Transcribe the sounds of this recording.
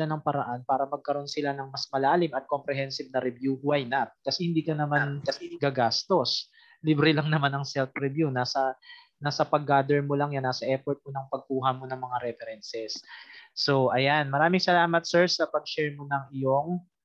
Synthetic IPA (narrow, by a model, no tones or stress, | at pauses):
anɐŋpɐɾɐʔanpaːɾɐmɐɡ̚kɐɾo̞nsɪlanɐŋmɐsmɐlaːlɪmɐt̪̚ko̞mpɾɛɦɛnsɪb̚nɐɾɛbjuhwajnat̪̚kɐsɛhɪnd̪iːkɐnɐmankɐsɛɡaɡast̪o̞s | libɾɛlɐŋnɐmanɐŋsɛlfɾɛbjunaːsɐ | naːsɐpɐɡːaːd̪ɛɹmolɐŋjanːaːsɐʔɛfɔɹt̪̚monɐŋpɐɡ̚kuːɦɐmo̞nɐŋmɐŋaɾɛfɛɾɛnsɛsː | o̞ʔɐjanmɐɾaːmɪŋsɐlaːmɐt̪̚sɛɹsɐpɐɡ̚ʃɛɹmonɐŋɪjoŋ